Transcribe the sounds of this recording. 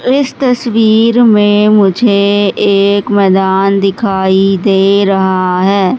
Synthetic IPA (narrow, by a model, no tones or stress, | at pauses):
ɪst̪əsʋiːɾmẽːmʊd͡ʒʱeːɪkmɛːd̪aːnd̪ɪkʰaːid̪eːɾəɦaɦɛː